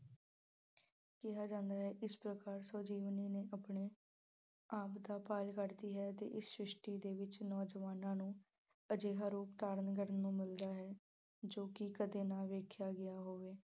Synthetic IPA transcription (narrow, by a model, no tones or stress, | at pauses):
kɪɦaːd͡ʒãːnd̪aːɦɛːʔɪspɾəkaːɾsɔːd͡ʒiːʋniːneːʔapɳeː | aːpd̪aːpaːlkəɾd̪iːɦɛːt̪ḛːʔɪsʃɾɪʃʈiːd̪eːʋɪt͡ʃnɔːd͡ʒʋaːnãːnũː | əd͡ʒeːɦaːɾuːp̚t̪aːɾənɡəɾənːũːmɪld̪aːɦɛː | d͡ʒoːkɪkəd̪eːnãːʋeːkʰjaːɡɪjaːɦoːʋeː